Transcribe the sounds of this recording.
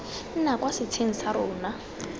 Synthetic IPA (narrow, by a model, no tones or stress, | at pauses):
n̩nakwasɪt͡sʰeŋ̩saɾʊːna